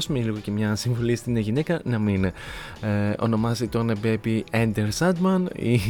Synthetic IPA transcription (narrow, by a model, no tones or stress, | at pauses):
sumeliɣo̞ce̞mɲɐsiɱvolist̪ineʝine̞kɐnɐmin | o̞̰no̞mɐsit̪onɐpɾepiɐnd̪eɾsɐd̪mɐnḭ